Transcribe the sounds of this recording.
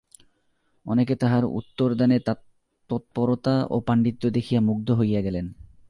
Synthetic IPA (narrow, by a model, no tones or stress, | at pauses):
ɔ̰neket̪aɦaɾṵt̪ːoɾd̪anet̪a | ɔt̪̚poɾot̪aʔo̰paɳɖit̪ːod̪ekʰijamuɡ̚d̪ʱoɦojaɡɛlen